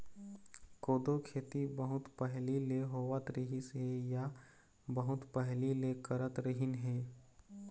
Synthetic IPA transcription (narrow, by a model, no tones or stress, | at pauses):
koːd̪okʰeːt̪ibəɦʊt̪pɛɦlileɦoːʋət̪ɾəɦisɦeja | bəɦʊt̪pɛɦlilekəɾət̪ɾəɦɪnɦeː